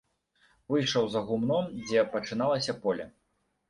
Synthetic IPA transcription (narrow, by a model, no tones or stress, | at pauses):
vɨjʂɐwzɐɣumnɔmd͡zʲɛpɐt͡ʂɨn̪alˠɐsʲɐpɔlʲɐ̰